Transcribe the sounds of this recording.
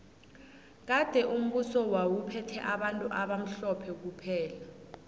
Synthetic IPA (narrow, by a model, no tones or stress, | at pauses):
k̬ad̥ʱɛʔum̩ɓusɔwawupʰɛtʰɛʔaɓantʼuʔaɓam̩ɬɔpʰɛk̬upʰɛːla